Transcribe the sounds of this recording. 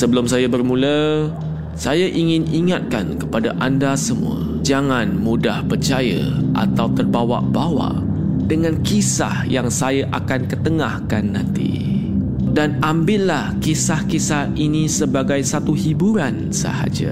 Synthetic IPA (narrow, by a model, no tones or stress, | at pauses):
səbəlʊmsajabərmũlə | sajaʔiŋɪniŋat̪̚ka̰nkəpadaʔandasəmṵa̰ | d͡ʒaŋanmudahpərt͡ʃajə̰ʔa̰t̪awt̪ərbawa̰ʔbawa̰ʔ | dəŋãnkisa̰hjaŋsajaʔakankət̪əŋahkanːãnt̪ḭ | danambɪtlahkisahkisahinisəbaɡajsat̪uhibuɾan | sə̰ha̰d͡ʒa̰